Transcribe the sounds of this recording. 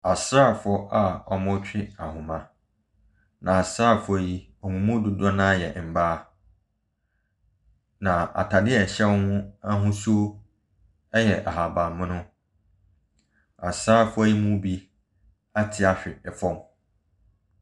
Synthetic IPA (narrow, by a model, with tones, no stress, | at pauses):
a˨sɾaː˦˨fɔ˦ʔa˨ɔ˨mɔ̃˦t͡ɕᶣɪ˦a˨hʊ̃˨mã˨ | nã˨a˨sɾaː˦˨fʊ˨a˨ji˦ | ɔ˨ŋʊ̃˨mʊ̃˦dʊ˨dɔ˦nã˦jɛ˨m̩˨baː˦ | nã˨a̰˨tʰa˨dɪ˦ɛ˨ɕɛ˦whʊ̃˦a˦ɦʊ̃˦so˦ | ɛ˦jɛ˨ʔa˨ɦa˨ba˨mː˦ʊ̃˦nʊ̃˦ | a˨sɾaː˦˨fʊ˦a˦ji˦mũ˦bi˦ | a˦tʰɪ˨a˨ɕᶣɪ˨ɛ˨fɔ˦m